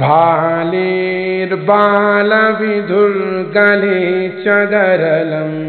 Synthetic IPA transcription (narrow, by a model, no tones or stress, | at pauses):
bʱaliɾbalɐʋid̪ʱuɾɡɐlit͡ʃɐɖɐɾɐlɐm